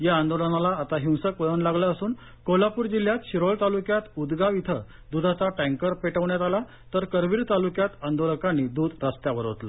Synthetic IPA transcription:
jaːnd̪olənalaːt̪aɦiw̃səkʋəɭənlaɡləːsuːn | kolapuːɾd͡ʑil̤jat̪ɕiɾoɭt̪alukjat̪ud̪ɡaʋit̪ʰə | d̪ud̪ʱat͡saʈæ̃ŋkəɾpeʈəʋɳjat̪ala | t̪əɾkəɾʋiːɭt̪alukjat̪ənd̪oləkanːiːd̪uːd̪ɾəst̪jaʋəɾɦo̰t̪la

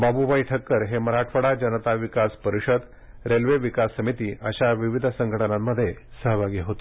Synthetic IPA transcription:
babubaiʈʰəkːəɾɦeməɾaʈʰfəɽad͡ʑənət̪aʋikaspəɾiɕəd̪ | ɾelʋeʋikasːəmit̪iːʔəɕaʋiʋid̪ʱsəŋɡʱəʈənamːəd̪ʱːjesəɦəbaɡjeɦot̪e

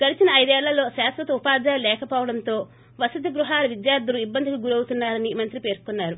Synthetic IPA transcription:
ɡ̥ɐlit͡ʃinɐɐjd̪uɛːɭːɐlo̞ːʃaːsʋɐt̪ɐupaːd͡ʒ̪aːjɐlɛːkɐpɔːʋɐɽɐnt̪o̞ː | ʋɐsɐd̪ʱiɡɾuɦaːlɐʋid̪jaːɾd̪uluibːɐnd̪ʱikɐɡuɾɐwut̪unːaːɾɐnimɐnt̪ɾipe̞ːɾkunːaːɾu

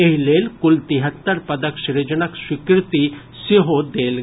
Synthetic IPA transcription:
eɦileːlkʊlt̪iɦət̪ːəɾpɐd̪əkʃiɾed͡ʒənɐkʃɪkɾɪt̪i | siɦod̪eːl

